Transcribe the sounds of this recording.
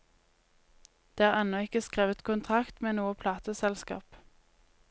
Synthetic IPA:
d̪̥eːæːʁɛnɔɪkəskʁeːʋət̪kʰʊnt̪ʰʁɑkt̪meːnuːəpʰlɑːt̪əsɛlskɑ̰ːp

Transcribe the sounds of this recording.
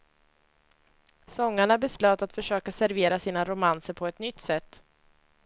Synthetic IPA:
sɔŋːaɳabɛsløːt̪at̪fœʂøːkasæɾveːɾasiːnaɾʊmansəɾpʰɔɛt̪nʏt̪ːsɛt̪ː

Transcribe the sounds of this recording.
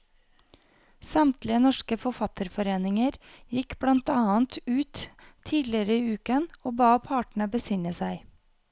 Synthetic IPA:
sɑmt̪lɪənɔʃkəfɔfɑt̪əɾfɔɾeːnɪŋəɾ | jɪkblɑnt̪ɑːənt̪ʉːt̪ʰiːd̪lɪəɾəiːʉːkənoːbɑːpʰɑːʈɳ̩əbəsɪŋəsæɪ

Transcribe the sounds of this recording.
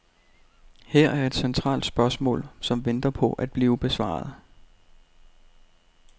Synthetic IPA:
heɐ̰æɐe̝d̥sent͡sʰʁɑ̰̈ːld̥sb̥ɶɐsmɔ̰̽ːlsɒ̽mʋend̥ɐpʰɒ̽ʔæd̥̚b̥liːʊb̥e̝sʋɑ̰̈ːð̩ˠ

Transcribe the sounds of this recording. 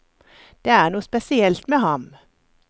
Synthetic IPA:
d̪̥eːæːʁnuːspɛsɪɛlt̪meːhɑm

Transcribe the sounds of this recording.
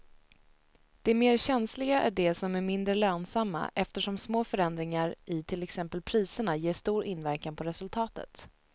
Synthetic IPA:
d̪̥ɛmeːɾɕɛnslɪɡaʔæ̰ɖɛsɔmæɾmɪnd̪ɾəløːnsamːa̰ʔɛft̪əʂɔmsmoːfœɾɛnd̪ɾɪŋaɾʔɪt̪ʰɪlɛksɛmpəlpʰɾiːsəɳajeːʂt̪uːɾɪnvæɾkanpʰɔɾɛsɵlt̪ʰɑːt̪ə̰t̪

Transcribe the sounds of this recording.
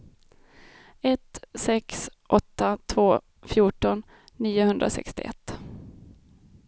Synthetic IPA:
ɛt̪sɛksʔɔt̪ːat̪ʰvoː | fjuːʈɔnː | iːʊhɵnd̪ɾasɛ̰kst̪ɪ̰ʔɛ̰t̪ː

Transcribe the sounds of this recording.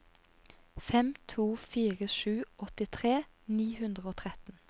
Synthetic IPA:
fɛmt̪ʰuːfiːʁəʃʉːʔɔt̪ɪt̪ʰʁeː | niːhʉnd̪ʁəoːt̪ʰʁɛt̪n̩

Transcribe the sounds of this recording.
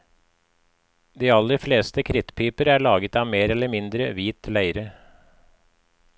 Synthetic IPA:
d̪iːɑlːəɾfleːst̪əkʰɾɪt̪pʰiːpəɾæːɭɑːɡət̪ɑːʋmeːɾɛlːəmɪnd̪ɾəʋiːt̪ʰlæɪɾə

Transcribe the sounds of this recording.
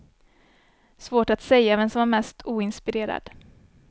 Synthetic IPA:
svoːʈat̪sɛjːavɛnsɔmvaɾmɛst̪ʰuːɪnspɪɾeːɾa̰d̪̥

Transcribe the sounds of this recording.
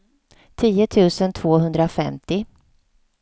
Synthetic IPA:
t̪ʰiːət̪ʰʉ̟ːsənt̪ʰv̥oːɦɵnd̪ɾafɛmt̪ɪ

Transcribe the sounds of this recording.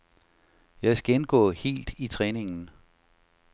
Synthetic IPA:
jɑ̈ɪsɡ̥enɡ̥ɔ̰ːhe̝̰ːld̥it͡sʰʁɛːne̝ŋn̩

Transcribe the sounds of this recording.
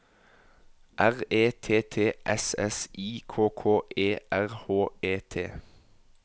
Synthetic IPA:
ʔæʁeːt̪ʰeːt̪ʰeːʔɛsɛsiːkʰoːkʰoːʔeːʔæʁhoːeːt̪ʰḛː

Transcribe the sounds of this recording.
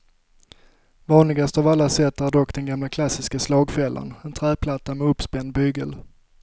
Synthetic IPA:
vɑːnlɪɡast̪avalːasɛt̪ːhæɾɖ̪ɔkːd̪ɛnɡamlakʰlasːɪskaslɑːɡfɛlːə̰nɛnt̪ʰɾæːpʰlat̪ːamɛɵpspɛnd̪bʏɡəl

